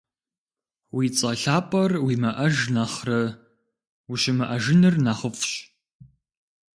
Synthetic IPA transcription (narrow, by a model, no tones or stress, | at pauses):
wiːt͡sʼɐɬaːpʼɐrwiːmɐʔɐʒnɐχrɐ | wuɕɪmɐʔɐʒɪnɨrnaχəfʼɕ